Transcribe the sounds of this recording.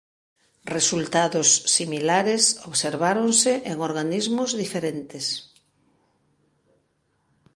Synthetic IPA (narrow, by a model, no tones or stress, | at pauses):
result̪aðʊsːimilaɾesoβseɾβ̞aɾonseʔeŋoɾɣanizmʊzðifeɾent̪ɪs